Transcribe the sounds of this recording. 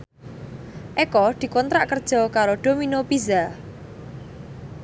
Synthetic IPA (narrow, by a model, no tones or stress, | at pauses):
ʔekɔd̪̥i̤kɔnt̪ɾaʔkərd̥ʒ̥ɔ̤kaɾoɖ̪̥o̤minopiza